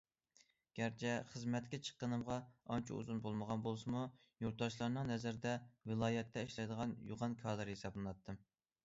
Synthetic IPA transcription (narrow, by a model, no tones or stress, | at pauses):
ɡ̥ʲæɾt͡ʃʰɛχəzmɛt̪kʲɛt͡ʃʰə̥qːənɨmʁɑɑnt͡ʃʰḭṵzunbolˠməʁɑnbolˠsɨmu | joɾt̪ːɑʃlˠɑɾnɨŋnɛzæɾd̪ɛwɨlˠɑːjɛt̪ʰːɛiʃlɛjd̪əʁɑnjṵʁɑnkʰɑːd̪ɨɾhesɑblˠɨnɑt̪ʰːɨm